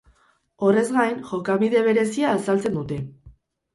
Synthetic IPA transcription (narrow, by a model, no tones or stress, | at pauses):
o̞re̞zɣajnxo̞kaβiðe̞β̞e̞ɾe̞siaːsalt͡se̞nd̪ut̪e̞